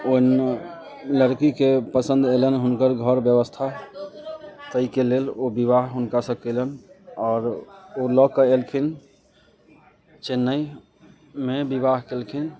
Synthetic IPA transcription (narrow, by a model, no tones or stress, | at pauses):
on | ləɾkikepəsə̃nd̪elənɦunkəɾɡʱəɾbjəβəst̪ʰa | t̪əikelelobiβaɦɦunkasəb̚kelənɔːɾolɔkəelkʰin | t͡ʃenːəi | mebiβaɦkelkʰin